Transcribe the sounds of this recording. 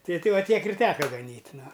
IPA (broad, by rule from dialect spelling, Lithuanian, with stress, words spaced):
ˈtɐɪ ˈtʲɛɪ ˈʋɐ ˈtʲiɛk ɪr ˈtʲæːkɐ ɡɐˈnʲiːtʲ ˈnʊ